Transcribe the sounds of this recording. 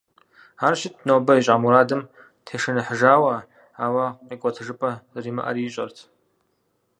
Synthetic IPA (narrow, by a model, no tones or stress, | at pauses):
aːrʃɪt̚nowbɐiɕʼamuɾaːdɨm | tʰeːʂɨnɨħʐaːwɐ | aːwɐqikʷʼɔtʰɨʐɨpʼɐriːmɨ̰ʔɐ̰ɾiːɕʼɐrtʰ